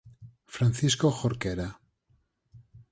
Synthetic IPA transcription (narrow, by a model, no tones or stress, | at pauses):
fɾan̟θiskoxoɾkeɾa